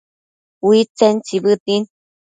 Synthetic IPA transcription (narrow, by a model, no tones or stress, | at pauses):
wit͡sent͡siβɨt̪in